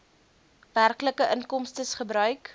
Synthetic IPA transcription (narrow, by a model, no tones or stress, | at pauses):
værkləkəʔənkɔmstəsχəbɾœɥk